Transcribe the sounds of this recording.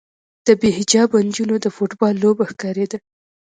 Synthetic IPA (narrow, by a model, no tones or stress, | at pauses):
d̪̥əbeɦɪd͡ʒɑband͡ʒunod̪əfoʈbɑlːobaxkɑɾed̪a